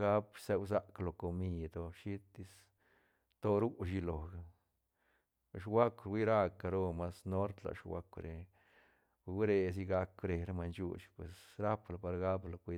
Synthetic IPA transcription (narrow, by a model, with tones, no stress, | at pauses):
ɡa˦bse˧ws̬a˦klo˨ko˧mi˧d̪o˧ʃi˦t̪ːi˧s | t̪o˧ɾu˦ʃ̬i˧lo˨ɡa˨ | e˨ʃ̬wa˦kʷɾwi˦ɾa˦kːa˧ɾo˦˧ma˧sno˦ɾt̪la̰˨ʃwa̰˧kʷɾe˧ | wɾe˧s̬i˧ɡa˧kɾe˨ɾe˦ma˧nt͡ʃṵ˦ʃpwe˨sɾa˦pla˨pa˧ɾɡa˦blo˧kʷi˧